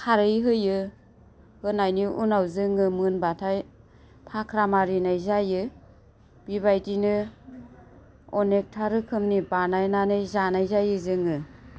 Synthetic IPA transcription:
kʰaɾɯjɦɯjɯ | hɯnajniʔunawzɯŋɯmɯnbatʰaj | pʰakʰɾamaɾinajzajɯ | b̥iβajdinɯ | ɔnek̚tʰaɾɯkʰɯmnibanajnanɯjzanajzajɯzɯŋɯ

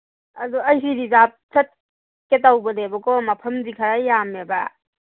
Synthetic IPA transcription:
ɐduɐjsidizap̚sʰɐt̚ | ket̬awbɐdebɐkɔmɐpʰɐmdikʰɐɾajjameba

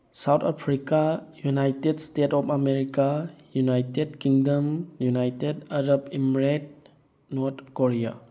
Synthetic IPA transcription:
sawt̪ʰapʰɾikajunajtedstetɔpʰameɾikajunajtedkiŋdəmjunajtedaɾabimɾet̚ | nɔɾt̪ʰkoɾija̰

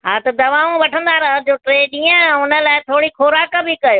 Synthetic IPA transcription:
ɦaːt̪ɐd̪ɐʋaːũʋɐʈʰə̃nd̪aːɾɐɦəd͡ʑoːʈɾeːɗĩːə̃ʊnə̆laːɪt̪ʰoːɽikʰoːɾaːkbʱɪkɐjoː

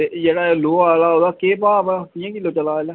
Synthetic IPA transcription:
eːd͡ʒeːɽaːeloːaːlaːɦoːd̪aːkeːpaːpt̪ijãːkiːloːt͡ʃəlaːelɛː

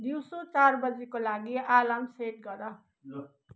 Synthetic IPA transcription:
d̪iwsot͡sarbʌd͡zikolaɡialamseʈ̚ɡʌɾʌ

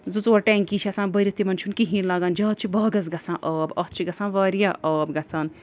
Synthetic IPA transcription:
zut͡suɐʈɛːŋkiːt͡ʃʰiɐsãːnbɐɾit̪imɐnt͡ʃʰunkiɦĩːɾlaːɡaːnd͡ʒɐːt̪̚t͡ʃʰibɐːɡɐs̬ɡɐt͡sʰãːʔɐːbɐt̪̚t͡ʃʰiɡɐt͡sãːʋɐːɾjaʔɐːbɡɐt͡sʰaːn

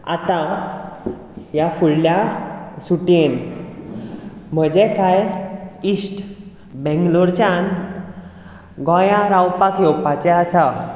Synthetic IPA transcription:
a̰t̪ã | jafuɽljasuʈen | m̤əd͡ʑɛkajisʈ | bɛ̃ŋɡluɾt͡ɕan | ɡɔ̃jãɾawpakjɔpat͡ɕɛasa

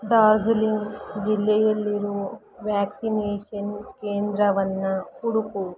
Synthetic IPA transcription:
ɖaːɾd͡ʒuliŋɡd͡ʒilːɛjɐlːiɾu | ʋaːksineːʃɐnkeːnd̪ɾɐʋɐnːɐkuɽuku

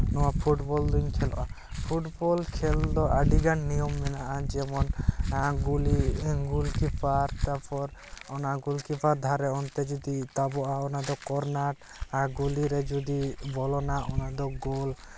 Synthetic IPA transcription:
nɔwapʰuʈbɔld̪uɲkʰɛlɔ̰ʔa | pʰuʈbɔlkʰɛld̪ɔʔaɖiɡanːijɔmːɛnaʔad͡ʒɛmɔnɡuliɡulkipaɾt̪apɔɾɔnaɡulkipʰaɾd̪ʱaɾeɔnt̪ed͡ʒod̪it̪abɔʔaɔnad̪ɔkɔɾnaʈ | aɾɡuliɾed͡ʒod̪ibɔlɔnaʔɔnad̪ɔɡol

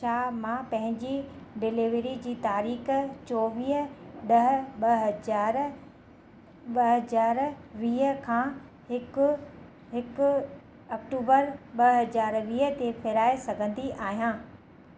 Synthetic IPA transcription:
ʃʰaːmãpɐ̃ɦɪ̃ɲd͡ʑi | ɖɪliʋɾid͡ʑiːt̪aːɾiːxt͡ɕɔːʋiːɦəɗɐɦɓɐɦd͡ʑaːɾ | ɓɐɦɐzaːɾʋiːɦəkʰãː | ɦɪkʊ | ɦɪkʊ | ɐkʈuːbəɾɓɐɦɐzaːɾʋiːɦət̪efʰeɾaːesɐɡʱə̃nd̪iʔaːɦijãː

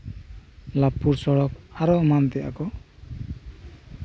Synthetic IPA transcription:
lapuɾsɔɽɔk̚aɾɔmant̪ɛʔa̰kɔ

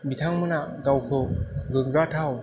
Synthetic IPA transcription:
bitʰaŋmɯnaɡawkʰɯɡɯɡatʰaw

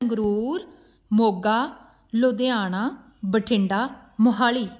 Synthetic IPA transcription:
ŋɡɾuːɾ | moːɡaː | loːd̪eaːɳaː | bəʈʰɪɳɖaː | mʊɦaːliː

